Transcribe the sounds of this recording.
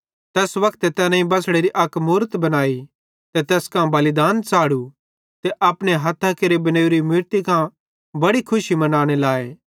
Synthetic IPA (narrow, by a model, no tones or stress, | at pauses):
t̪ɛːsʋɐkʰt̪et̪ɛːnaĩbɐsɽeɾiʔɐkmuːɾət̪bɐnaːi | t̪et̪ɛːskãbɐlɪd̪aːnt͡saːɽu | t̪eʔɐpɽ̃eɦɐt̪ʰːakeɾebɐneːuɾimɪɾt̪ikã | bɐɽikʰʊʃimɐnaːɽ̃elaːeː